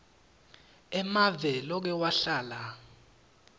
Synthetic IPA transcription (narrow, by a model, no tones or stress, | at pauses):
ɛmavɛlɔk̬ɛwaɬaːla